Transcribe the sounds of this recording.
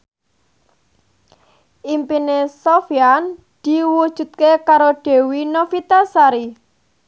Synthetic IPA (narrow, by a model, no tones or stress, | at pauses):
ʔimpinesofian | d̪̥i̤wud̥ʒ̥ṳt̪̚kekaɾoɖ̥e̤winofit̪asaɾi